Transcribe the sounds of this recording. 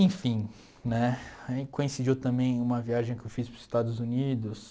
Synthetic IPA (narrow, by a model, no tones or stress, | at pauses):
ẽj̃fĩ | nɛ̃kõĩsid͡ʒiwt̪ɐ̃mbẽj̃ũmɐviaʒẽj̃kɪewfispɾʊz̥ɪst̪ad̪ʊzunid̪ʊs